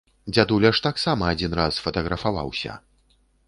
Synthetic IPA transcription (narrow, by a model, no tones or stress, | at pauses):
d͡zʲad̪ulʲɐʂt̪aksamɐad͡zʲinɾasfɐt̪ɐɣɾɐfava̰wsʲɐ̰